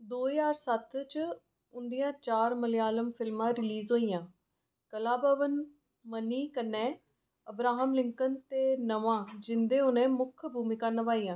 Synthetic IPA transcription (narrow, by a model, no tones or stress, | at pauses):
d̪oːjaːɾsət̪ʰt͡ʃ | ʊnd̪ijãːt͡ʃaːɾməlɪjaːləmpʰɪlmãːɾɪliːzɦoːiːjãː | kəlaːbəʋən | məniːkənːɛ̃ː | əbɾaːɦəmlɪŋkənt̪eːnəʋãːd͡ʒɪnd̪eːʊnẽːmʊkʰbʱuːmikaːnəʋaːiːãː